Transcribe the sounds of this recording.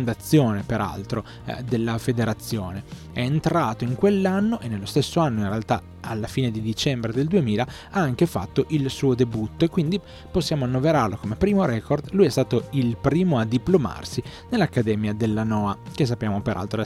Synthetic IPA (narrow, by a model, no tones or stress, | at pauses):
nd̪at̪sːjoːnepeɾa̰lt̪ɾo | d̪elːafed̪eɾat̪sːjoːne | ɛent̪ɾaːt̪oiŋkwelːanːoʔenːelːost̪esːoanːoinrealt̪a | alːafiːned̪id̪it͡ʃɛmbɾed̪eld̪uemiːla | aaŋk̟efa̰t̪ːoʔilsuːod̪ebut̪ːoekwind̪i | posːjaːmoanːoveɾarlokomepɾiːmoɾɛkord̪lujɛst̪aːt̪oilpɾiːmoad̪ːiploma̰rsi | nelːakːad̪ɛːmjad̪elːanɔːak̟es̬ːapːjaːmopeɾʔa̰lt̪ɾo